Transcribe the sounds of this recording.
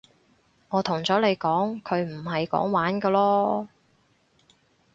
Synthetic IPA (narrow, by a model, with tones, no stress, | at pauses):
ŋɔː˨˧t̪ʰʊ˨˩ŋt͡sɔː˨˥le˨˧jkɔː˨˥ŋkʰɵ˨˧ɥm̩˨˩ɦɐ˨jkɔ̰ː˨˥ŋwaː˨˥nkɔː˧lɔː˥